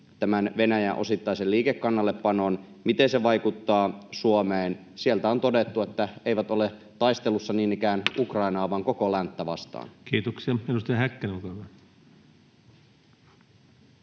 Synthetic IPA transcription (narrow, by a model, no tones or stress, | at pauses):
t̪æmænʋe̞næjæ̰ʔo̞̰sit̪ːɑjselliːkekːɑnːɑlːepːɑnon | mit̪enseʋɑjkut̪ːɑːsuomeːn | sielt̪æo̞nt̪odet̪ːue̞t̪ːæejʋæt̪o̞le | t̪ɑist̪e̞lːusːɑniːnikæːnukrɑinɑːʋɑːŋko̞kolænt̪ːæʋɑ̰st̪ɑ̰ːnkiːt̪oksiɑenust̪ɑjɑhækːenolkɑkɑ